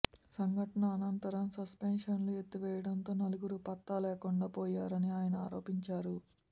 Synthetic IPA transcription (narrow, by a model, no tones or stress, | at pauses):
sɐŋɡʱɐʈɐnɐːnɐnt̪ɐɾɐmsɐspenʂɐnluet̪ːuʋɛːjɐɽɐnt̪o̞ːnɐluɡuɾupɐt̪ːaːlɛːkuɳɖaːpɔːjaːɾɐniaːjɐnɐaːɾo̞ːpiɲt͡ʃaːɾu